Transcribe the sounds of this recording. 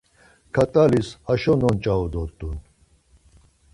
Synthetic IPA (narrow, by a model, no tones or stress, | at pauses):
kʰat̪ʼalisaʃɔnɔnt͡ʃʼaud̪ɔɾt̪ʼun